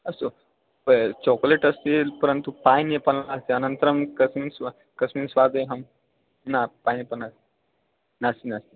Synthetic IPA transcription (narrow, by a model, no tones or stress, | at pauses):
əst̪o | t͡ɕɔkleʈəst̪iːlpəɾənt̪upajnjepənlaəst̪iənənt̪ɾəmkəsmiːnsʋa | kəsmiːnsʋad̪jɦəm | napajnjepənast̪i | nast̪inast̪i